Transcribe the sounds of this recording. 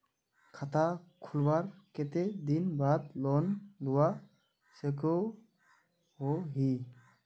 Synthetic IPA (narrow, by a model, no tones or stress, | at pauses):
kʰat̪akʰulbaɾket̪ed̪inbad̪lɔnluwa | seko | ɦoɦi